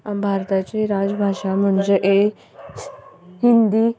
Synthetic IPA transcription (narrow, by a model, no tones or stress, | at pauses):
abʱaɾt̪at͡ɕeɾad͡zbʱaʂam̤əɳd͡zeʔe | ɦind̪iː